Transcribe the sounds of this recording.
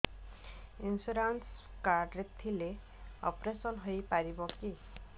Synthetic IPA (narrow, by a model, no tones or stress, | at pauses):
insuɾanskaɾɖɾet̪ʰile | ɔ̰pɾesɔnɦojpaɾibɔki